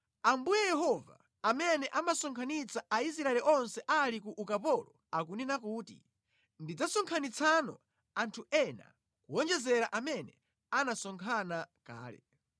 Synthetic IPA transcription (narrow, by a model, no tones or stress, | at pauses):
ambujɛjɛɦɔva̰ | amɛnɛʔamasɔŋkʰanit͡saais̬ɾaɛlɛʔɔnsɛʔalik̬uʔukapɔlɔ | ak̬uninak̬uːtḭ | ndid͡zasɔŋkʰanit͡sʰanɔ̰ | antʰuɛna̰ | kuɔnd͡ʒɛzɛɾaʔamɛnɛ | anasɔŋkʰanaka̰ːlɛ̰